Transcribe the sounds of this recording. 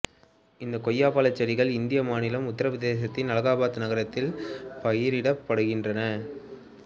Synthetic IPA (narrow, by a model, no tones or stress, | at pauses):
ɪnd̪ɐkɔjːaːpaːlɐt͡ʃːɐɾɪɣɐɭɪnd̪ɪjɐmaːnɪlɐmʊt̪ːɐɾɐʋɐðeːs̬ɐt̪ːɪnɐlɐɣaːbaːt̪ːɯnɐɣɐɾɐt̪ːɪlpɐjɪɾɪɽɐpːɐɽɯɣɪndrɐnɐ